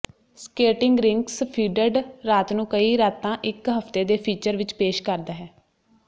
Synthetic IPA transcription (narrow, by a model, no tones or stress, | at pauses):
skeːʈɪŋɡɾɪŋkspʰiːɖəɖɾaːt̪nũːkəiːɾaːt̪ːãːʔɪkɦəpt̪eːd̪eːpʰiːt͡ʃəɾʋɪt͡ʃpeːʃkəɾd̪aːɦɛː